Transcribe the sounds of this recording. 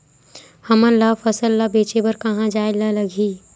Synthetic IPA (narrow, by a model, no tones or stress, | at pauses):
hɐməlːafɐsəlːabeːt͡ʃebɐɾkɐɦãd͡ʒaːɪlalɐɡʱiː